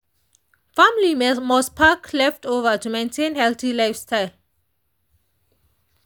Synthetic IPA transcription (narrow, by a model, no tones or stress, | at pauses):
famlimɔspʰakʰlɛftovətumẽntʰẽnhɛlθilaɪfstaɪl